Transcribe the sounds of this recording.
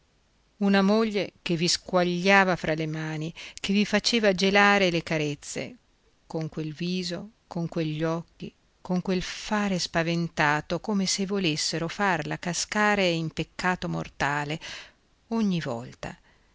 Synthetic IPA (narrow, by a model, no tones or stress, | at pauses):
unamoʎːekevːiskwaʎːaːvafɾalemaːnikevifat͡ʃeːvad͡ʒelaːɾelekaɾet̪sːḛ | koŋkwelviːzokoŋkweʎːɔkːi | koŋkwelfaːɾespavent̪aːt̪okoːmesevːolesːeɾofarlakaskaːɾeimpekːaːt̪omo̰rt̪aːle | oɲːivɔ̰lt̪a̰